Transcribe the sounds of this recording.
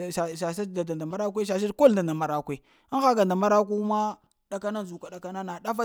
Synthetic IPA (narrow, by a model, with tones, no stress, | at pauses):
a˨ʃa˨sa˦˨da˨da˨nda˨ma˦ɾa˦k̬ʷe˦ʃ̬a˨ʃ̬i˦dko˦lda˨nda˨ma˨ɾa˦kʷe˦ | xa˦ɡa˨nda˨ma˦ɾa˦k̬u˦ma˦ | ɗa˨ka˦na˦zu˨ka˨ɗa˨ka˦na˦na˨ɗa˦fa˦